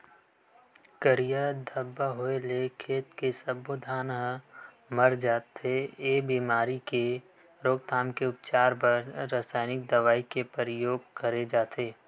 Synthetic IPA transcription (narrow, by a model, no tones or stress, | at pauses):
kəɾijəd̪ʱəbːaɦoelekʰeːt̪kesɐbod̪ʱaːnɦ | məɾd͡ʒaːt̪eebiːmaːɾike | ɾoːɡ̚t̪ʰaːmkeʊpt͡ʃaːɾpəɾːaːsaːɪnɪk̚d̪ɐʋaːikepəɾɪjoːɡkəɾed͡ʒaːt̪eː